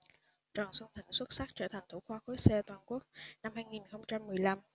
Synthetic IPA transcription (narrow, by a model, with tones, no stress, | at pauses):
t͡ɕə˨˩nsə˧ŋ͡mt̪ʰï˧˩ŋ̟swə˦˥t̚sa˦˥k̚t͡ɕəː˧˩t̪ʰa˨˩ŋ̟t̪ʰu˧˩xwaː˧xo˨˦sɛ˧t̪waː˨˩nku˦˥ək̚na˧mhaː˧jŋi˨˩nxə˧wŋ͡mt͡ɕa˧mːɨ˨˩əjla˧m